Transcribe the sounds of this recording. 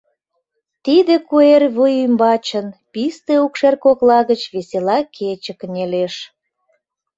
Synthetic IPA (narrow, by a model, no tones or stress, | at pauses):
t̪id̪ekuerβujimbɑt͡ɕənpist̪eukʃerkoklɑɣət͡ɕβeselɑkʰet͡ɕəknʲeleʃ